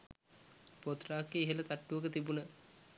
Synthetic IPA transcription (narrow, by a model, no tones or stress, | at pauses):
pot̪raːkːeːɦələt̪aʈːuʋəkət̪ibunə